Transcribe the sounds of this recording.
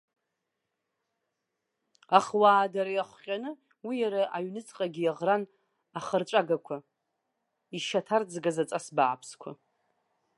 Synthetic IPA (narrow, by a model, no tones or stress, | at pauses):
aχwaːdaɾajaχʷχʲʼanɨ | wijaɾaʔaɥnɨt͡sʼqʼaɡʲijaʁran | aχərt͡ʃʷʼaɡakʷʰa | iʃatʰard͡zɡazat͡sʼasbaːpʰskʷʰa̰